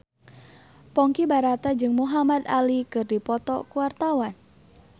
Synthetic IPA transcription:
pɔŋkibaɾat̪ad͡ʒɨŋmuɦamad̪a̰likɨrdipɔt̪ɔ̰kuwart̪awan

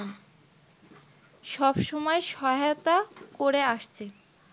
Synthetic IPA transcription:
ʃɔbʃɔmɔeʃɔɦaot̪akoɾeaʃt͡ɕʰe

